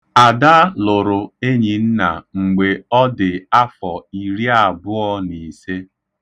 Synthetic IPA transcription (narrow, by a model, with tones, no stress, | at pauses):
a˨da˦lʊ˨ɾʊ˨e˦ɲi˨n̩˦na˨ŋ͡m̩˨ɡ͡be˨ɔ˦dɪ˨a˦fɔ˨i˨ɾi˦a˨bʊ˦ɔ˦ni˨se˦